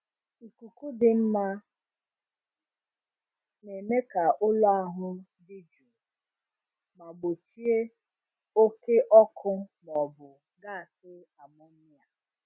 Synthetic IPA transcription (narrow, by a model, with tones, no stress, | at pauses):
i˨ku˨ku˦dɪ˨m̩˦ma˦ | ne˨me˦ka˨ʔʊ˦lʊ˦a˦ɦʊ˦ | dɪ˦d͡ʒu˨ | ma˨ɡ͡bo˨t͡ʃi˦e˦ | o˦ke˦ʔɔ˦kʰʊ˦nɔ˨bʊ˨ | ɡa˦˨a˨sɪ˦a˨mʊ˦ni˦ja˨